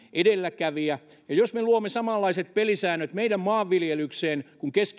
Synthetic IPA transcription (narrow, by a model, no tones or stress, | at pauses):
ʔedelːækæʋiæ | jɑjosmeluomːˑesɑmɑlːɑiset̪̚pelisæːnːøt̪meidæmmɑːʋːiljelykseːnkuŋkesk